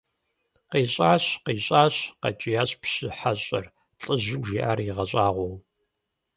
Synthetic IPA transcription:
qeːɕʼaːɕqeːɕʼaːɕqɐ̰t͡ʃʼijaːɕpɕɨħaɕʼɐr | ɬʼɨʑɪɡʷʒiʔaːriʁɐɕʼaːʁʷɔw

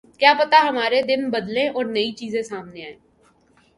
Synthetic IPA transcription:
kjaːpɐt̪aɦɐmaːɾed̪ɪnbəd̪lẽʔɔːɾnɐit͡ʃiːzẽsaːmneaːẽː

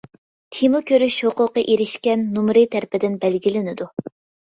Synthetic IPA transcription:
t̪ʰimʊkʲøɾyʃhoqʊqːɑʔeɾɪʃkʲɛnːumɾɨt̪ʰæɾpɪd̪ɪnbɛlɡʲilɪnɪd̪u

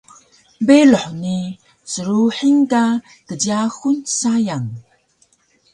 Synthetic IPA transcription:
beloħni | səɾuħiŋka | kəɟiaxunsajaŋ

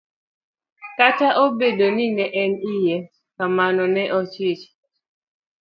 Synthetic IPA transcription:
kataʔobedoninɛʔɛnijɛ | kamanɔnɛʔɔt͡ʃɪt͡ʃ

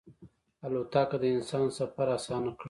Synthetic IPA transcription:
alot̪ɑkad̪əɪnsɑːnsafaɾasɑnakɽ

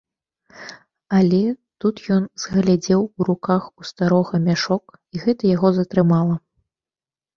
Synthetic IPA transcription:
alʲɛt̪ut̪jɔnzɣlʲad͡zʲɛwuɾukaxust̪aɾɔɣɐmʲaʂɔk | iɣɛt̪ɐjaɣɔzɐt̪ɾɨmalˠɐ

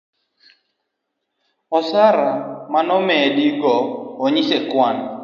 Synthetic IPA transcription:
ɔsaɾamanɔmɛdiɡɔːɲisɛkwan

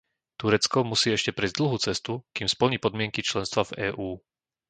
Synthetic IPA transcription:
t̪uɾɛt͡skɔmusiːɛʃcɛpɾɛjzd̪l̩ɦut͡sɛst̪ukiːmspl̩ɲipɔd̪mɪɛŋkit͡ʃlɛnst̪ʋavɛːʔuː

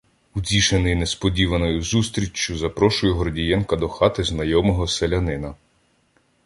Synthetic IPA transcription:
udʲiʃenɪjnespɔdʲiʋɐnɔjʊzust̪ɾʲit͡ʃːʊzɐpɾɔʃʊjʊɦɔrdʲijɛnkɐd̪ɔxɑt̪ɪznɐjɔmɔɦɔselʲɐnɪnɐ

